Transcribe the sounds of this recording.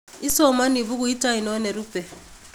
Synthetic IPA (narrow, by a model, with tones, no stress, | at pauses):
i˦sɔ˦ma˦ni˨bu˦ɡu˦i˦ta˦i˨nɔ˦ne˨ɾu˦pɛ˨